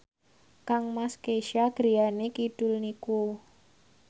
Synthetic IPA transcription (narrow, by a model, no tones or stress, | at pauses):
kaŋmaskeʃaɡ̥ɾijanekiɖ̥ʊlniku